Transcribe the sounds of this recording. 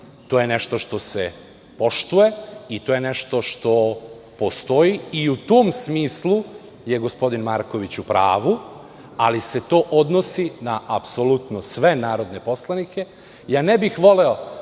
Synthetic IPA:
t̪oːje̞ne̞ʃt̪o̞ʃt̪o̞se | po̞ʃt̪uje̞it̪oːje̞neʃt̪o̞ʃt̪o̞ | po̞st̪o̞iiut̪oːmsmiːslu | jeɡospo̞d̪inmaɾko̞ʋit͡ɕupɾa̰ːʋu | alise̞t̪o̞ːʔod̪nosinaʔapsolut̪nosʋe̞naːɾo̞d̪ne̞po̞slˠanikʰe̞ | jaːnebixʋo̞leo

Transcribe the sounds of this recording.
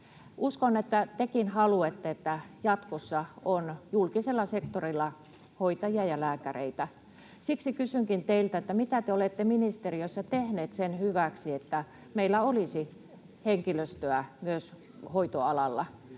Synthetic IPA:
ʔuskonet̪ːæt̪ekinhɑluet̪ːeet̪ːæjɑt̪kosːɑonjulkiselːɑsekt̪orilːɑ | hoit̪ɑjiɑjɑlæːkærḛit̪æ | siksikysyŋkint̪eilt̪æet̪ːæmit̪æt̪eolet̪ːeminist̪eriosːɑt̪ehneːt̪senhyʋæksiet̪ːæ | meilːæolisi | heŋkiløst̪øæmyøs | hoit̪oɑlɑlːɑ

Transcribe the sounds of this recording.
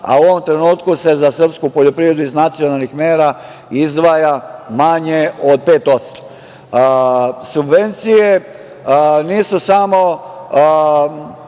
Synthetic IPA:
a̰uoʋo̞mt̪ɾe̞nuːt̪kuse̞zasər̩pskupoʎo̞pɾiʋɾed̪uiznat̪sijo̞nalnixmeːɾa | izd̪ʋajamaɲe̞od̪̚pe̞ːt̪o̞t̪st̪o̥ | subʋe̞nt̪sije | niːsusamo̞

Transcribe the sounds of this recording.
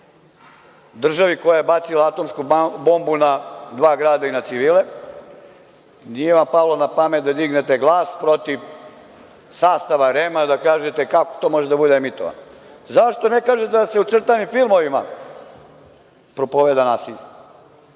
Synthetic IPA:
d̪r̩ʒaʋikojajebat̪silaat̪o̞mskubombunad̪ʋaːɡɾaːd̪ainat̪siʋiːle | niemapalonapamet̪̚d̪ad̪iɡnet̪eɡlˠaːspɾo̞t̪iʋ | saːst̪aʋaɾemad̪akaːʒet̪ekako̥t̪oːmo̞ʒed̪abud̪eemit̪oʋa̰n | zaʃt̪o̞nekaːʒed̪aseut̪sr̩t̪animfilˠmo̞ʋima | pɾopoʋed̪anaːsiʎa

